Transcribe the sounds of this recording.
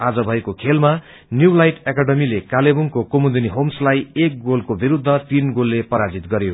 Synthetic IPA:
ad͡zʌbʱʌekokʰelma | njulajʈekaɖʌmilekalebuŋkokomud̪iniɦomslajek̚ɡolkobiɾud̪ʱːʌt̪inɡolːepʌɾad͡zit̪ɡʌɾjo

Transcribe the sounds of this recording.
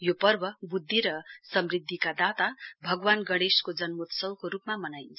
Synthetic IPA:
jopʌrbʱʌbud̪ʱːiɾʌsʌmrid̪ʱːikad̪at̪abʱʌɡwanɡʌɽ̃eskod͡zʌnmot̪sʌwkoɾupmamʌnajnt͡sʰ

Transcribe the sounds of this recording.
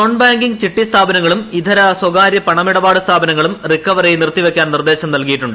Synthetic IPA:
oɳbaːŋɡiŋɡt͡ɕiʈːist̪ʰaːbɐnɐŋːɐɭumid̪ʱɐɾɐswɐɡaːɾjɐpɐɳɐmiɽɐbaːɽɨst̪ʰaːbɐnɐŋːɐɭumrikːɐʋɐrejnirt̪ːiʋe̞kʲːaːnnird̪e̞ːɕɐmnɐlkijiʈːuɳɖɨ

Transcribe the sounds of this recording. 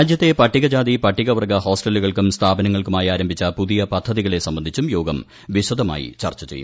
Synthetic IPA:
aːd͡ʑjɐt̪ːe̞pɐʈːiɣɐd͡ʑaːðipɐʈʰːiɣɐʋɐrɡɐho̞ːsʈɐlːuɣɐɭkumst̪ʰaːbɐnɐŋːɐɭkumaːjiaːɾɐmbʱit͡ɕːɐpuðijɐpɐd̪ʱːɐðiɣɐɭe̞sɐmbɐnd̪ʱit͡ɕːumjo̞ːɡɐm | ʋiɕɐd̪ɐma̰ːjḭt͡ɕɐ̰rt͡ɕːɐt͡ɕejṵm

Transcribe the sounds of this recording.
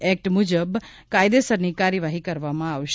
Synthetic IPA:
ɛk̚ʈmud͡ʒəbkaːjd̪esəɾnikaːɾjəʋaɦikəɾʋamãaʋʃ

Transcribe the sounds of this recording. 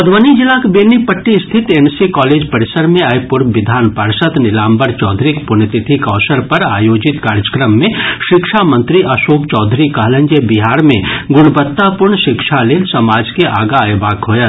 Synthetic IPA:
ɐd̪ʋənid͡ʒɪlakbeːnipɐʈːist̪ʰɪt̪ensikɔːleːd͡ʒpɐɾɪsəɾmẽɐjpʊɾʋɪd̪ʱaːnpəɾsət̪nɪlaːmbəɾt͡ʃɔːd̪ʱɾikpʊnət̪ɪt̪ʰikɔːsəɾpɐɾaːjoːd͡ʒɪt̪kaːɾjəkɾəmːẽʃɪkʃamə̃nt̪ɾiʔɐʃoːkt͡ʃɔːd̪ʱɾikɐɦlə̃ɲd͡ʒebiɦaːɾmḛ̃ɡʊɽ̃bət̪ːapʊɾɳʃɪkʃʰaleːlsɐmaːd͡ʒkeʔaːɡajbaːkɦoːjə

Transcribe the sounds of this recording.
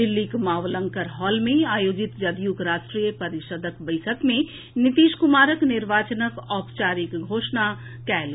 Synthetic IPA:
d̪ɪlːikmaːʋlə̃ŋkəɾɦɔːlmẽaːjoːd͡ʒit̪d͡ʒɐd̪jukɾaːʃʈɾijəpɐɾɪʃəd̪ʱəkbəɪsʰəkmẽ | nit̪iːʃkumaːɾəknɪɾʋaːt͡ʃənəkɔːpt͡ʃaːɾikɡʱoːʃna | kɛːl

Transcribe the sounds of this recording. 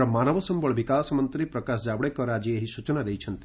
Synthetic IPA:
ɔmanɔbɔsɔmbɔɭbikasɔmɔnt̪ɾipɾɔkasd͡ʒabɽekɔɾad͡ʒieɦisut͡ʃɔnad̪ejt͡ʃʰɔnt̪i̥

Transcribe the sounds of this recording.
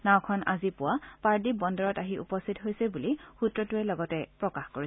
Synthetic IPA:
naw̃kʰɔna̰zipʊwapaɹdibɔndɔɹɔtaɦiʔṵpɔstʰitɦojsɛbulixutɹɔtuɛlɔɡɔtɛpɹɔkaxkoɹis

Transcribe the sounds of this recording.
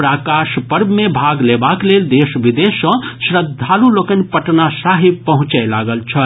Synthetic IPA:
pɾakaʃpəɾbʱmebʱaɡlebakleld̪esbid̪esə̃sɾəd̪ʱːalulokənpəʈnasaɦipəɦũt͡ʃɛlaɡəlt͡ʃʰə

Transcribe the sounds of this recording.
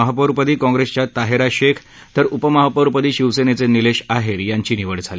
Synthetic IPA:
əɦapəɾpəd̪iːkɔ̃ŋɡɾest͡ɕjat̪aɦeɾaɕekʰ | t̪əɾupəməɦapəɾpəd̪iːɕiʋsenet͡senileɕaɦeɾjaɲt͡ɕiːniʋəɽd͡zʱali

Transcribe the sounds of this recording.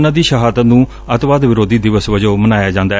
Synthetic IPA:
nãːd̪iːʃəɦaːd̪ənũː | ət̪ʋaːd̪ʋɪɾoːd̪iːd̪ɪʋəsʋəd͡ʒoːmənaːjaːd͡ʒãːnd̪aː

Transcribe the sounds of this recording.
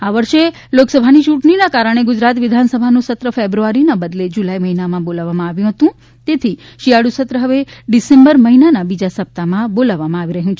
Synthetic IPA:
aʋəɾʃe | loksəbʱanit͡ʃũʈɳinakaɾəɽ̃eɡʊd͡ʒɾat̪ʋɪd̪ʱansəbʱanũsət̪ɾəfebɾuaɾinabəd̪led͡ʒulajməɦinamãbolaʋːamãaʋjũɦət̪ũ | t̪et̪ʰiʃiaɽusət̪ɾəɦəʋeɖisembəɾməɦinanabid͡ʒasəp̚t̪amãbolaʋːamãaʋiɾəɦũt͡ʃʰe

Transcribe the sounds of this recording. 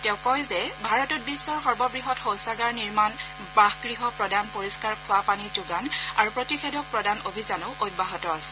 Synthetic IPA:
tɛʊ̃kɔjzɛbʱaɹɔtɔt̚bisːɔɹxɔɹbɔbɹiɦɔtxowsaɡaɹniɹman | baxɡɹiɦɔpɹɔdanpoɹiskaɹkʰʊwapanid͡ʒuɡanaɹupɹotixedɔk̚pɹɔdanobʱizanoʔojt̚baɦɔtɔasɛ̥

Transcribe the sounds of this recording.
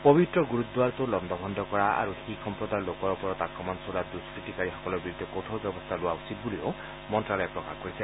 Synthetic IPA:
pɔbitɹɔɡuɹut̪dualtʊlɔndʱɔbʱɔndʱɔkɔɹaa̰ɹuxixɔmpɹɔdaɹlokɔɹɔpɔɹɔtakɹɔmɔnsuladuskɹitikaɹixɔ̥kɔlɔɹbiɹud̪ʱɔkot̪ʰowbɛbɔst̪ʰalʊwausit̚bulio | mɔntɹalɔjɛpɹɔkaxkoɹisɛ

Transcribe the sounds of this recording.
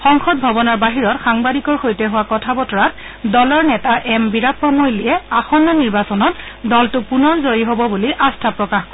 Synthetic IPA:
xɔŋxɔt̚bʱɔbɔnaɹbaɦiɹɔtxaŋbadikɔɹxojtɛɦʊwakɔtʰabɔtɔɹat̚ | dɔlɔɹnɛtaʔɛmbiɹapɹɔmojlijɛaxɔnːaniɹbasɔnɔtdɔltʊpunɔnzojiɦɔbɔbuliʔastʰapɹɔkaxk

